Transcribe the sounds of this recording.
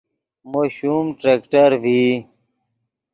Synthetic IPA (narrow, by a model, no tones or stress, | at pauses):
moːɕuːmʈɾeːkʈəɾʋi